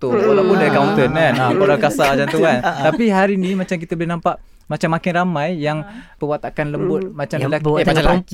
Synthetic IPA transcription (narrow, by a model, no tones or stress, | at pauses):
t̪uwalawpunlakawnt̪ənankalakasamat͡ʃamt̪uant̪apiɦaɾinimat͡ʃamk̬it̪abəlinampaʔ | mat͡ʃamːakɪnramãjjaŋpəwat̪akanləmbʊt̪̚mat͡ʃamlaaa